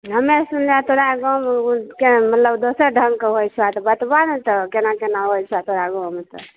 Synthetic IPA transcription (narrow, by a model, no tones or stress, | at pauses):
ɦəmesunleat̪oɾaɡomkemət̪ləbd̪osəɾɖʱəŋɡkeɦojt͡ʃʰwat̪ɔbət̪bant̪ɔkenakenaɦojt͡ʃʰat̪oɾaɡomet̪ə̰